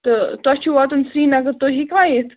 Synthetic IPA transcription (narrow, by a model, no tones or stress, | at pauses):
t̪ət̪at͡ɕiʋɔt̪ənsɾiːnaɡət̪oɦiːkʋãjet̪ʰ